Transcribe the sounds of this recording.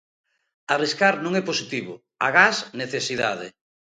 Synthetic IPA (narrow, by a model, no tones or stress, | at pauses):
ariskaɾnõŋɛposit̪iβʊ | a̰ɣasneθesiða̰ð̞ɪ